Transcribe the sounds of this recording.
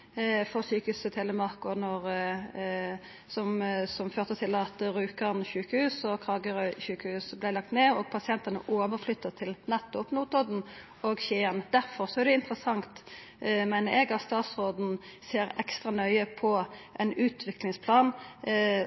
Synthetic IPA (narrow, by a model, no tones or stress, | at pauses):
fɔɾsyːkəhʉːst̪ʰɛləmɑʁkʊnɔʁ | sɔmsɔmføːʁt̪ət̪ʰɪlɑt̪ɾʉːkənʃʉːkəhʉːsɔkʰlɑːɡəɾçʉːkəhʉːsblɪlɑk̚t̪meːɔɡ̚pʰɑsɪɛnt̪ənə̰ʔoːʋəɾflʏt̪ːəʁt̪ʰɪlnɛt̪ːɔpnuːt̪ɔd̪n̩ | oɡɕeːənd̪æɾfɔɾsɔæʁd̪ɛɪnt̪ɾəsɑŋt̪ | mæɪnəɾɛɡɑtst̪ɑːt̪sʁoːd̪n̩seːɾɛ̰kst̪ɾɑnœʏəpʰɔʔɛnʉːt̪ʰʋɪklɪŋspʰlɑːn